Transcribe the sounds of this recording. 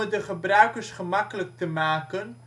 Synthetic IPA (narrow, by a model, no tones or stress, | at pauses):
ədəχəbrœɥkərsχəmɑkələk̚təmaːkən